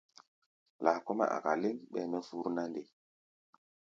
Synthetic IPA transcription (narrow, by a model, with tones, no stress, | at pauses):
la˨ko˦ma̰˦ʔa̰˨ka˨li˦ŋɓɛ̰˨mɛ˦fu˦ɾna˦nde˨